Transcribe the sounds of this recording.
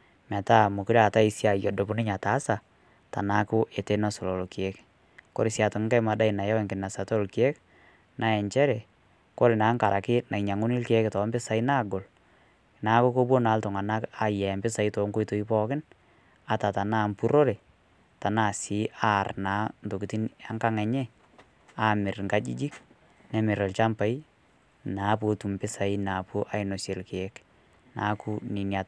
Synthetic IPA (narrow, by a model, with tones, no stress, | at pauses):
ma˨ta˦mu˨kɪ˦ɾa˨ta˦i˨sja˨jɔ˨do˨bʊ˦nɪ˦ɲa˨ta˨˦sa˨ | ta̰˨na˦kʊ˦ʔe˨te˦na˦so˨lo˨lo˨ki˨e˦k | ko̰˦ɾɪ˨sja˨to˨ŋ˦ŋka˦jma˨da˦i˨na˨ja˦wɛ˨ŋkɪ˨na˨sa˨to˦˨lkje˦k | nʔa˨ɛ˨ɲt͡ʃɛ˦ɾɛ˨ | ko˦ɾɪ˨naː˨˦ŋka˨ɾʔa˨kɪ˦na˨i˨ɲa˨ŋʊ˦ni˦lke˦ktɔ˨˦mbɪ˦sa˨i˦naː˦ɡo˨l | na˦kʊ˦ko˦bwo˦na˨˦ltɔ˨ŋa˨na˦ka˨jɛ˨mbɪ˦sa˨i˦tɔ˨˦ŋko˦i˦to˨i˦pɔ˦kɪ˦n | a˨ta˨ta˨naː˦˨mpu˦ɾo˦ɾe˨ | ta˨na˦˨sɪ˨˦ʔa˦˨rnaː˨˦nto˨ki˨ti˦na˦ŋka˦ŋɛ˨ɲɛ˦ | a˦mɪ˨ɾŋɡa˦d͡ʒḭ˦d͡ʒi˦k | nɛ˦mɪ˨ɾɔ˨lt͡ʃa˦mpa˨i˦ | naː˨˦p̬u˦tu˨mpɪ˦sa˨i˦na˨pu˦ʔa˦ɪ˦no˨se˨lke˨˦k | na˨˦ku˦nɪ˨nja˨t̚